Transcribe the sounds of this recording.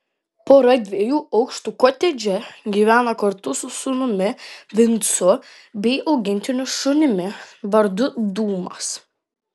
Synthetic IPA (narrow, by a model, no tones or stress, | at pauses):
poːɾɐd̪ʲʋʲiɛjuːɐʊkʃt̪uːkoːt̪ʲɛd͡ʒʲɛɡʲiːʋʲæːnɐkɐɾt̪ʊsʊsʊnʊmʲɪʋʲɪnt̪sʊ | bʲɛɪʔɐʊɡʲɪnʲt̪ʲɪnʲʊʃʊnʲɪmʲɪʋɐɾd̪ʊd̪uːmɐ̰s